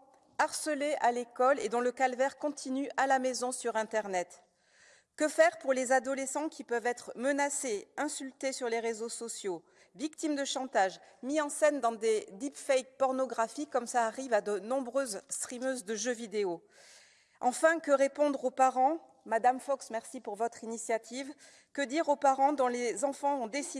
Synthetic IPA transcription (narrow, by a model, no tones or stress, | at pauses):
aʁsəleʔalekɔled̪ɔ̃ləkalvɛʁkɔ̃t̪ʰinyʔalamezɔ̃syʁɛ̃t̪ɛʁnɛt̪ | kəfɛʁpuʁlezad̪ɔlesɑ̃kʲipœvɛt̪χmənaseɛ̃sylt̪esyʁleʁezosɔsjo | vikt̪imd̪əʃɑ̃t̪aʒmiɑ̃sɛnd̪ɑ̃d̪ed̪ipfɛjk̚pɔʁnɔɡʁafikːɔmsaːʁivad̪ənɔ̃bʁøzst̪χimøzd̪əʒøvid̪eo | ɑ̃fɛ̃kəʁepɔ̃d̪ʁopaʁɑ̃ | mad̪amfɔksmɛʁsipuʁvɔt̪χinisjat̪ʰiv | kəd̪iʁopaʁɑ̃d̪ɔ̃lezɑ̃fɑ̃ɔ̃d̪esi